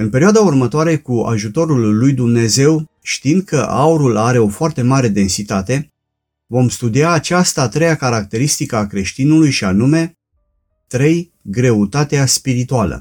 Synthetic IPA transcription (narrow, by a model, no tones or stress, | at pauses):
ɨnpe̞ɾioad̪aurmət̪oaɾe̞kua̰ʒut̪o̞ɾulːujd̪umne̞ze̞w | ʃt̪ind̪̥̚kʰəʔa̰uɾulaɾe̞o̞foart̪e̞maɾe̞d̪e̞nsit̪at̪e̞ | vo̞mst̪ud̪iaːt͡ʃast̪aːt̪ɾe̞jakaɾak̚t̪e̞ɾist̪ikəakɾe̞ʃt̪inulujʃianume̞ | t̪ɾe̞j | ɡɾe̞ut̪at̪easpiɾit̪ualə̰